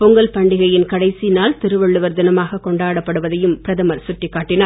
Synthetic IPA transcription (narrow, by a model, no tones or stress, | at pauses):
pʊŋɡɐlpɐɳɖɪɣɐjɪnkɐɽɐɪsinaːlt̪ɪɾɯʋɐɭːɯʋɐɾd̪ɪnɐmaːɣɐkɔɳɖaːɽɐpːɐɽɯʋɐðɐjɯmpɪɾɐðɐmɐɾsʊʈːɪkːaːʈːɪnaː